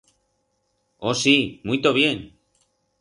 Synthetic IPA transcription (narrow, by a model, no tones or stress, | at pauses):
osimujt̪oβjen